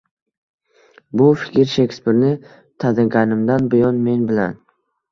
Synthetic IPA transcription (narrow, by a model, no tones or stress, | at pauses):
bʊfɪ̥kʲɪɾʃekʲspɪɾnɪ | t̪ʰad̪ɪɡʲanɪmd̪anbʊjɒnme̞nbɪla̰n